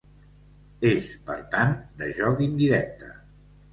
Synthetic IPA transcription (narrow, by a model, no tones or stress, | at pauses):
espəɾt̪and̪əʒɔɣind̪iɾɛk̚t̪ə